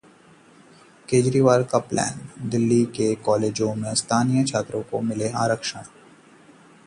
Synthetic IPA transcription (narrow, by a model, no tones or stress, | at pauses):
keːd͡ʒɾiːʋaːɾkaplɛ̰ːnd̪ɪlːikekɔːleːd͡ʒõmẽst̪ʰaːnijət͡ʃʰaːt̪ɾõkomɪlea̰ːɾəkʃəɽ̃